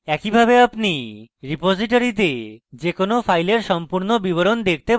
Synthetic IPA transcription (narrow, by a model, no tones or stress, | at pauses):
ɛkibʱabeapniɾipod͡ʑiʈ̬oɾit̪ed͡ʑekonofʰajleɾʃɔmpuɾnobiβoɾond̪ek̚ʰt̪e